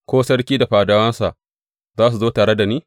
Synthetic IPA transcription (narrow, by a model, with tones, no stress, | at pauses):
kʷoː˦sɐ˦ɽkʲiː˦da˨ɸaː˨daː˦wɐ˦nsa˨ʔ | zaː˦s̬u˨zoː˦taː˨ɽe˦da˨niː˦